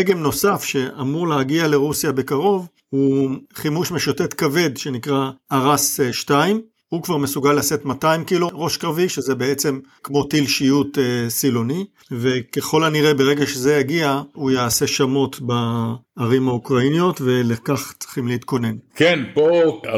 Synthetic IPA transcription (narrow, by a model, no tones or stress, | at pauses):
eɡemno̞safʃe̞ʔamuʁleaɡiale̞ʁusjabe̞kaʁo̞v | huχimuʃmeʃote̞t̪kave̞d̪ʃe̞nikʁaːʁasʃtaim | hukvaʁme̞suɡalːase̞tmataimkiloʁo̞ʃkʁaviʃezebeet͡se̞mkmo̞t̪ilʃijut̪silo̞ni | ve̞ke̞χo̞laniʁe̞beʁe̞ɡaʃezejaɡiaujaːse̞ʃamo̞tbaːʁimhaukʁainijo̞tve̞lakaχt͡sχimlehit̪ko̞ne̞nkenpo